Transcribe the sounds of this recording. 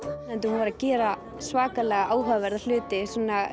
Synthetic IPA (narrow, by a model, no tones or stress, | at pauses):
ɛnt̪ɪhunvaɾacɛːɾa | svaːkalɛːɣaʔaːwɦœːvɛɾðal̥ʏːt̪ɪsɔna